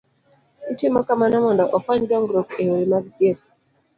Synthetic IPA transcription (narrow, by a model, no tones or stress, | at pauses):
n̩timɔkamanamɔndɔʔɔfaɲdɔŋɡɾɔkeholimaɡɡet